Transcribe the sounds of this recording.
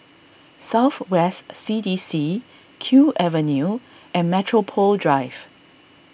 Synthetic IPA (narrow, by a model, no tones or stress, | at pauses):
saʊθwɛstsidisi | kʰjuʔɛvə̃nju | ʔɛ̃nmɛtʰɹopʰɔldɹaɪv̥